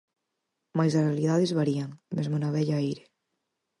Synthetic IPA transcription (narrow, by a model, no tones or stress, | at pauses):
majzarealiðaðezβaɾiaŋmezmanaβɛʎaejɾe